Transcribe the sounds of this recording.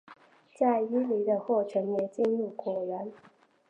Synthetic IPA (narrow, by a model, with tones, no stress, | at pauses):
t͡sa˥˩ɪi˥li˧˥d̪ə˧xwɔ˥˩ʈ͡ʂʰə˨˥njɛ˨˩t͡ɕi˥˧nɻu˥˩kwɔ˨˩ɥə˨˦n